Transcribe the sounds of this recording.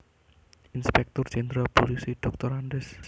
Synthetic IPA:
inspɛk̚t̪ɔrd͡ʒɛnd̪ɾapolisiɖ̥ɔk̚t̪ɔɾaɳɖɛs

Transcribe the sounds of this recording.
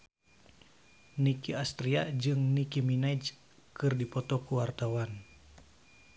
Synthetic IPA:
nikiast̪ɾiad͡ʒɨŋnikiminaid͡ʒ | kɨrdipɔt̪ɔkuwart̪awan

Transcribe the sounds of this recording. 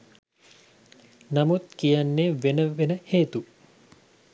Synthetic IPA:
namut̪kijanːeʋenəʋenəheːt̪u

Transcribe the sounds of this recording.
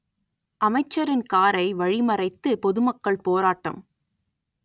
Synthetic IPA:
ʔɐmɐɪt͡ʃːɐɾɪnkaːɾɐɪʋɐɻɪmɐrɐɪt̪ːɯpɔðɯmɐkːɐɭpoːɾaːʈːɐ̰m

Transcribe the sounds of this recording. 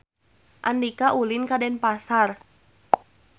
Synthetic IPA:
ʔandikaʔulinkadɛnpasar

